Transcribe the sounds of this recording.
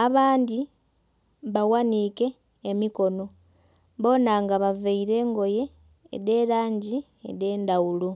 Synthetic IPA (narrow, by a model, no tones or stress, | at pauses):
aβaːndi | βawanike̞ː | miko̞no̞ | βo̞naŋɡaβaveiɾe̞ːŋɡo̞je̞̰ː | ðe̞ɾaːɲɟi | ḛde̞ːndawulu